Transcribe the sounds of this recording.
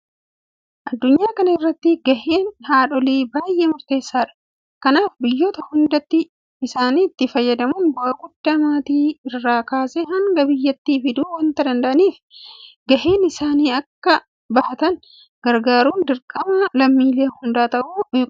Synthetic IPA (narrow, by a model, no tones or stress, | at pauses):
ʔɐd̪ːʊɲːaːkɐnɐɪrːɐt̪ːɪɡɐheːnhaːᶑɔliːbaːjʔeːmʊɾt̪e̞ːsːaːᶑɐ̥ | kɐnaːfbɪjːoːt̪ɐhʊnd̪ɐt̪ːɪː | saːniːt̪ːɪfɐjːɐd̪ɐmʊnbɔʔɐɡʊd̪ːɐmaːt̪iːɪrːaːkaːsɛɦɐŋɡɐbɪjːɐt̪ːiːfɪd̪uːwɐnt̪ɐd̪ɐnd̪ɐʔɐniːfɡɐheːnɪsaːniːɐkːɐ | bɐhɐt̪ɐn | ɡ̥ɐɾɡaːɾuːnd̪ɪɾkʼɐmɐlɐmːiːleːhʊnd̪aːt̪ɐʔuː